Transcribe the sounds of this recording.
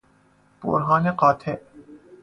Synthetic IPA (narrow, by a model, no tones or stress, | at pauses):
b̥o̰ɾɦɑːneqɑːt̪ʰe